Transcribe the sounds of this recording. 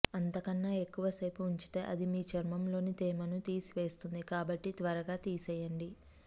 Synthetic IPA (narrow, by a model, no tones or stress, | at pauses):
ɐnt̪ɐkɐnːaːe̞kːuʋɐsɐjpuuɲt͡ʃi̥t̪e̞ːʔɐd̪imiːt͡ʃɐɾmɐmlo̞ːnit̪ɛːmɐnut̪iːsiʋe̞ːst̪und̪ikaːbɐʈːit̪ʋɐɾɐɡaːt̪iːsɛjɐɳɖi